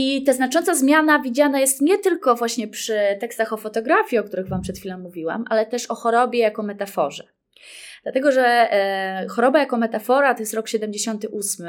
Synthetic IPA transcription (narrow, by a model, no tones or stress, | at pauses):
it̪aznat͡ʂɔntsazmʲjanavʲid͡ʑanajɛst̪ɲɛt̪ɘlkɔvwaɕɲɛpʂɘt̪ɛkst̪axɔfɔt̪ɔɡɾafʲjiɔk̚t̪uɾɘɣvampʂɛt̪xʲfʲilɔ̃ːuvʲiwa̰mʔa̰lɛt̪ɛʂɔxɔɾɔbʲjɛjakɔmɛt̪afɔʐɛ | d̪lat̪ɛɡɔʐɛ | xɔɾɔbajakɔmɛt̪afɔɾat̪ɔjɛst̪ɾɔkɕɛd̪ɛmd͡ʑeɕɔnt̪ɘʔusmɘ